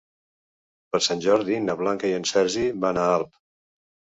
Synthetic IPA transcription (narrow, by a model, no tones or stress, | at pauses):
pəɾsanʲʒɔɾðinəβlaŋkəiənsɛɾziβanaalˠp